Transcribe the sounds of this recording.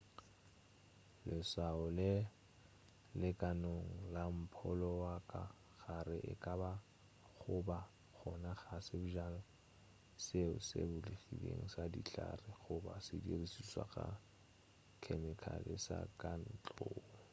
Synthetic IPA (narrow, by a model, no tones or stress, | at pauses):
lɪsaʊlɪ | lɪkʼanoŋ̩lam̩pʰɔlɔwakʼa | ɣaɾɪʔɪ̰kʼaba | χʊba | k͡xʰɔnaχasɪbʊʒala | seʊsḛbʊliɣibḛŋ̩sadiɬarɪχʊbasɪdirisiswa̰ɣa | kʰɛnɛkʰa̰lɪsa̰kʼan̩t͡ɬʼoː